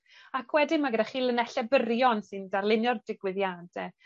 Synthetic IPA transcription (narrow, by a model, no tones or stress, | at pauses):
akʰwɛdɪmaɡədaχiːlˠənɛɬɛbərjɔnsɨndarlˠɪnjɔrdɪɡwɪðjadɛ